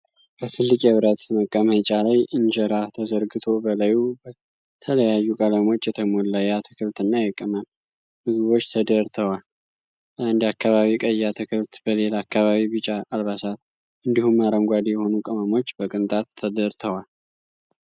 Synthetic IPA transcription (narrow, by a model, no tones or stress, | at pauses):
b̥əsɨlːɨkʼeβɨɾət̪məkʼːəməjt͡ʃʼalajʔɨnd͡ʒəɾat̪ʰəzəɾɡɨt̪ʰo̞bəlajubə | t̪ʰələjajːukʼəlamo̞t͡ʃːjɛt̪ʰəmolːajat̪ʰəkʰɨlt̪ɨnːajɛkʼːəmam | hɨzβo̞t͡ʃːt̪ʰəd̪əɾt̪ʰəwal | əand̪akʰːaβaβikʼəjːat̪ʰɨkʰɨlt̪bəlelakːaβaβiβɨt͡ʃʼaʔːlβasat̪ | ʔɨnd̪ihumːaɾəŋɡʷad̪ijɛho̞nukʼəməmo̞t͡ʃːbəkʼɨnt̪ʼat̪ʰːəd̪əɾt̪ʰəwal